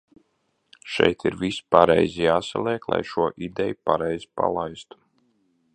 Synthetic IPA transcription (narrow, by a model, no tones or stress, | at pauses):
ʃɛ̰jt̪iɾvispaɾɛ̰jzijaːsalˠɛːklˠa̰jʃuɔʔid̪ɛjupaɾɛjzipa̰lˠajst̪u̥